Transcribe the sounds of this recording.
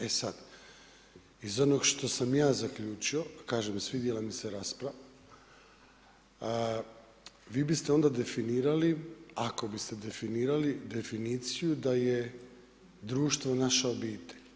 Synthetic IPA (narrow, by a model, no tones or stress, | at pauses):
e̞sad̪ | izo̞no̞ɡʃt̪o̞samjaːzakʎuːt͡ʃio̞kaːʒemsʋid̪jelˠamiseɾaːspɾaʋa | ʋiːbist̪eo̞nd̪ad̪e̞finiːɾaliako̞bist̪e̞d̪e̞finiːɾalid̪e̞finiːt̪sijud̪aje̞ | d̪ɾuːʃt̪ʋo̞naʃaobiːt̪eʎ